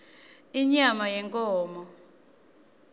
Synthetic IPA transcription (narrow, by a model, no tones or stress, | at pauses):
iɲamajɛŋkʼɔːmɔ